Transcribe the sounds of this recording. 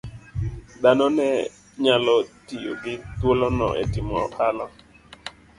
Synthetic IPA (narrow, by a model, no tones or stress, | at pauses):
d̪anɔnɛ | ɲalɔtijo̰ɡɪt̪wolonɔ̰ʔɛ̰tɪmɔ̰ʔalɔ